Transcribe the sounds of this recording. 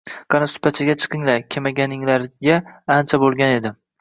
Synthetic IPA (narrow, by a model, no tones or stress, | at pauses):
qʰɑnasʊ̥pʰat͡ʃʰaɡʲat͡ʃʰɨ̥qʰɨŋlaɾkʲʰemaɡʲanɪŋlaɾɡʲaant͡ʃʰabolˠɡʲane̞d̪ɪ